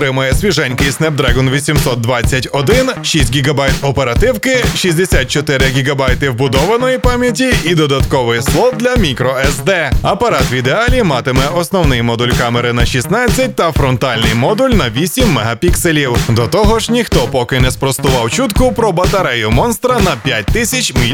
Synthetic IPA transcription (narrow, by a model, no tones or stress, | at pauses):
ɾɪmɐjɛsʲʋʲiʒɛnʲkɪjsnɛb̚d̪ɾɛɡɔnʋʲisʲimsɔt̪̚d̪ʋat͡sʲːɐtʲɔd̪ɪnʃisʲtʲɡʲiɡɐbajt̪ɔpeɾɐt̪ɪwkɪʃisʲd̪esʲat̪̚t͡ʃɔt̪ɪɾɪɡʲiɡɐbajt̪ɪwbʊd̪ɔʋɐnɔjipɑmʲjɐtʲiid̪ɔd̪ɐt̪kɔʋɪjslˠɔwd̪lʲɐmʲikɾɔɛzd̪ɛɐpɐɾɑt̪ʋʲid̪eɑlʲimɑt̪ɪmɛʔɔsnɔwnɪjmɔd̪ulʲkameɾɪnɐʃisnɑt͡sʲːɐt̚ʲt̪ɐfɾɔnt̪ɑlʲnɪjmɔd̪ulʲnɐʋʲisʲimːɛɦɐpʲikselʲiwd̪ɔt̪ɔɦɔʒnʲixt̪ɔpɔkɪnɛspɾɔst̪ʊʋɑwt͡ʃut̪kʊpɾɔbɐt̪ɐɾɛjʊmɔnst̪ɾɐnɐpʲjat̚ʲt̪ɪsʲɐt͡ʃʲmʲi